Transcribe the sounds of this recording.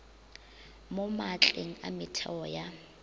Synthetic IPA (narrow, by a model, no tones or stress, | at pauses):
mɔmat͡ɬʼeŋ̩a̰mɪtʰɔja